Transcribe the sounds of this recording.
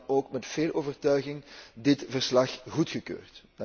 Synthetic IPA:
oːkmɛtfeːlˠʔoːvərtœɥɣɪŋdɪtvərslɑxɣutxəkø̰ːrtd

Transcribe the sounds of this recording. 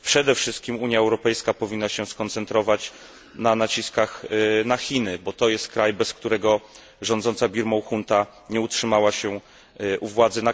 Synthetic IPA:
pʂɛd̪ɛfʂɘst̪̚kʲimuɲjaɛwɾɔpɛjskapɔvʲinːaɕɛskɔnt̪sɛnt̪ɾɔvat͡ɕ | nanat͡ɕiskaxnaxʲinɘbɔt̪ɔjɛst̪̚kɾajbɛskt̪uɾɛɡɔ | ʐɔnd̪zɔnt̪sabʲiɾmɔwxunt̪a | ɲɛutʂɘmawaɕɛ | uvwad̪zɘna

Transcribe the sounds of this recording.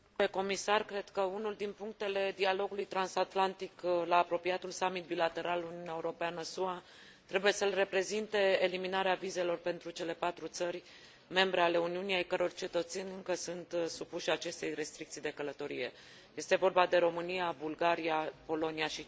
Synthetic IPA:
peko̞misarkɾe̞d̪kəunuld̪inpuŋk̚t̪e̞le̞d̪ialo̞ɡulujt̪ɾansat̪lant̪iklaːpɾo̞piat̪ulsamit̪̚bilat̪e̞ɾaluniuneaeuɾo̞peanəsua | t̪ɾe̞buje̞səlre̞pɾe̞zint̪e̞ːliminaɾeavize̞lo̞rpe̞nt̪ɾut͡ʃe̞le̞pat̪ɾut̪sərʲ | me̞mbɾe̞ale̞uniunijejkəɾo̞rt͡ʃet̪ət̪senʲɨŋkəsunt̪supuʃat͡ʃe̞st̪e̞jre̞st̪ɾik̚t̪sijd̪e̞kələt̪o̞ɾḭje̞̰ | je̞st̪e̞vo̞rbad̪e̞ɾo̞mɨnijabulɡaɾiapo̞lo̞niaʃi

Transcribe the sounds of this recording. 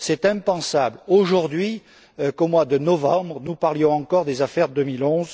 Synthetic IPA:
sɛt̪ɛ̃pɑ̃sabloʒuʁd̪ɥi | økomwad̪ənɔvɑ̃bʁənupaʁljɔ̃ɑ̃kɔʁd̪ezafɛʁd̪ømilɔ̃z

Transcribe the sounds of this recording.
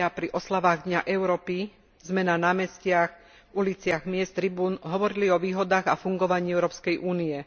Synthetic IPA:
apɾiʔɔslaʋaːɣd̪ɲaʔɛʊɾɔːpi | zmɛnanaːmɛscɪax | ulit͡sɪaɣmɪɛst̪ɾibuːnɦɔʋɔɾiliɔʋiːɦɔd̪aːɣafuŋɡɔʋaɲiːɛʊɾɔːpskɛjʔuːniɛ

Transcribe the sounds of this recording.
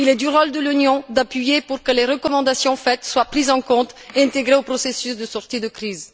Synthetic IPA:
ilɛd̪yʁɔld̪əlynjɔ̃d̪apɥijepuʁkəleʁəkɔmɑ̃d̪asjɔ̃fɛt̪swapχizɑ̃kɔ̃t̪eɛ̃t̪eɡʁeopχɔsesysd̪əsɔʁt̪id̪əkχiz

